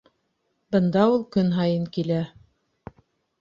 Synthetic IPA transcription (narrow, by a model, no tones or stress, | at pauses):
bɤ̆nd̪ɑulˠkɵnɦɑjɤŋkilæ